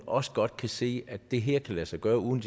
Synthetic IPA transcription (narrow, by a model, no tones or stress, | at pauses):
ɒ̽sə̥ɡ̥ɒ̽d̥̚kʰæse̝̰ːʔæd̥e̝ɦeɐ̰kʰælæsɑ̈ɪɡ̥ɶːɐuðˠn̩d